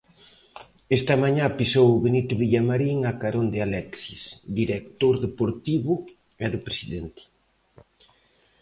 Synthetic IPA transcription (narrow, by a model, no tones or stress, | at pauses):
ɛst̪ɐmaɲãpisowʊβenit̪ʊβiʎamaɾiŋakaɾond̪ɪalɛksisd̪iɾek̚t̪oɾðepoɾt̪iβʊ | ɛðʊpɾesiðɛnt̪ɪ̥